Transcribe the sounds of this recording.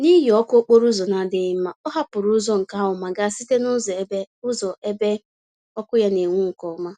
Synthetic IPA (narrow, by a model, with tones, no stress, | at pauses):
ni˦ɦi˨ɔ˦ko˦k͡po˦ɾʊ˦zɔ˨na˨dɪ˦ma˦ɔ˦ɦa˦pʊ˨ɾʊ˦ʊ˦zɔ˦ŋ̩˨ka˦ɦʊ˨ma˨ɡa˦si˦te˦nʊ˦zbe˦ | ʊ˦zɔ˨ʔe˦be˦ | ɔ˦kʊ˦ja˦ne˨ŋʷu˦ŋ̩˨kɔ˨ma˦